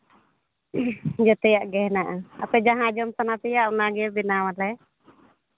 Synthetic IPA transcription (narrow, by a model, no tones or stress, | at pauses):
d͡ʒɛt̪ɛjaʔɡɛnaʔaa̰pɛd͡ʒaɦãd͡ʒɔmsanat̪ɛjaʔunaɡɛbinawalɛ